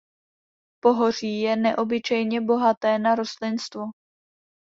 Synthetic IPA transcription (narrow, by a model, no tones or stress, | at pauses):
po̞ɦor̝iːjɛnɛʔo̞bɪt͡ʃɛjɲɛbo̞ɦat̪ɛːnaɾost̪lɪnst̪vo